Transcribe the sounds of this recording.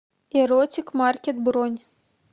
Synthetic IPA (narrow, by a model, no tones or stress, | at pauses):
eɾotʲikmarkʲet̪̚bronʲ